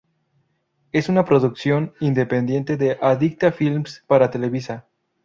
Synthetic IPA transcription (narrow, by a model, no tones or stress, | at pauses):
e̞sunapɾo̞ðuksjo̞nind̪e̞pe̞nd̪je̞nt̪e̞ðeʔaðik̚t̪afilmspaɾat̪e̞le̞βisa